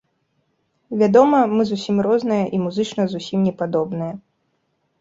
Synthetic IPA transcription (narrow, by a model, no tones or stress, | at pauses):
vʲad̪ɔmɐmɨzusʲimrɔznɨjɐʔimuzɨt͡ʂnɐzusʲimnʲɛpad̪ɔbnɨjɐ